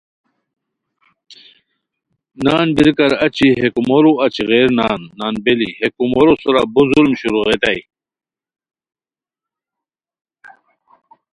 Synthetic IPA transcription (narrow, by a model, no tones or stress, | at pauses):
naːnbiɾkɐɾɐt͡ɕiɦekumoɾuɐt͡ɕiɣeːɾnaːnːaːnbelihekumoɾosuɾabuzulmɕuɾuʁet̪aj